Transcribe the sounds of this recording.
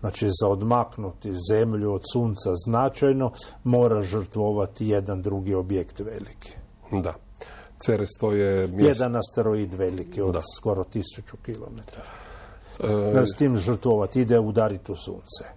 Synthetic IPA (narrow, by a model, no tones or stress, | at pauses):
znat͡ʃizaod̪maknut̪izemʎuod̪suːnt̪saznat͡ʃajno̞mo̞ːɾaʒərt̪ʋoʋat̪ije̞d̪and̪ɾuɡio̞bjekt̪ʋelikʰi̥ | d̪a | t̪seɾest̪ojemjed̪anast̪eɾoiːd̪ʋelikiod̪sko̞ɾot̪isut͡ʃukilo̰met̪aɾa | əst̪iːmʒr̩t̪ʋoʋat̪id̪eud̪aɾit̪usṵːnt̪se̥